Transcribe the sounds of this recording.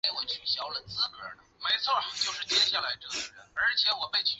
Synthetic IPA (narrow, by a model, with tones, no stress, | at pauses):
e˥ɪwɔ˨˩t͡ɕʰy˨˩ɕjɑ˧˥ʊlə˨˩nt͡sɹ̩˥kə̰˞˨˥nə˧me˧˥ɪt͡sʰwɔ˥˩t͡ɕjo˥˧ʊʂɻ̩˥˩t͡ɕ̪jɛ˥ɕja˥˩la˧˥ɪʈ͡ʂɤ˥˩˥ɻə˧˥nə˞˧˥t͡ɕʰjɛ˧˥wɔ˨˩pe˥˧ɪt͡ɕʰy˥˩